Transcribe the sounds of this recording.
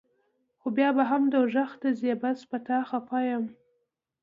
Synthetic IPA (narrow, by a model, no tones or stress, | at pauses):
xobjɑbaɦamd̪awʒaxt̪azebaspat̪ɑxapɑjəm